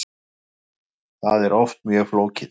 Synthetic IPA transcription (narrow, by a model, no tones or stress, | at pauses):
θaðɛɾɔft̪mjœːɣfloːwcɪ